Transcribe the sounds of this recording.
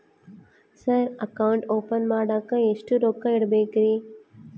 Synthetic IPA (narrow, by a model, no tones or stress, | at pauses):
sɐɾɐkɐwʊɳʈoːpɐnmaːɽakɐ̃esʈuɾoːkːɐ̃iɽbeːkɾiː